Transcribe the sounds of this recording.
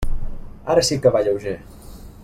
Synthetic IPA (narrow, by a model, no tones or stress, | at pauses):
aɾəsikəβaʎəwʒe